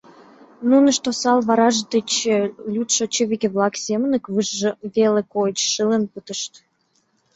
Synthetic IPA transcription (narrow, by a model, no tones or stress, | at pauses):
nunəʃt̪osɑlβɑɾɑʒd̪et͡ɕəlʲut̪ʃot͡ɕeβʲikeβlɑksemənəkβɨʒʒə̆βelekot͡ɕʃɨlənput̪əʃt̪